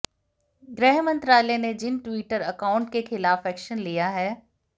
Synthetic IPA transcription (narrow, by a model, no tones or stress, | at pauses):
ɡɾɛɦmɐ̃nt̪ɾaːlɛned͡ʑɪnʈwiːʈəɾɐkaːʊ̃ɳʈkexɪlaːfɛːkʃənlijaɦɛː